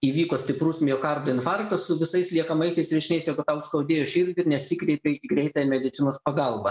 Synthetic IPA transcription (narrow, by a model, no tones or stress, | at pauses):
iːʋʲiːkoːsʲt̪ʲɪpɾusʲmʲɪjoːkɐɾd̪ʊɪnfɑrkt̪ɐssʊʋʲɪsɐɪslʲiɛkɐmɐɪsʲɛɪsɾʲɛʃʲɪnʲɛɪsjɛːɡʊt̪ɐʊskɐʊd̪ʲeːjoːʃʲɪɾʲd̪ʲɪɪɾnʲɛsʲɪkɾʲɛɪpʲeiːɡɾʲɛɪt̪ɑːjɛmʲɛd̪ʲɪt̪sʲɪnoːspɐɡɐlˠbɐ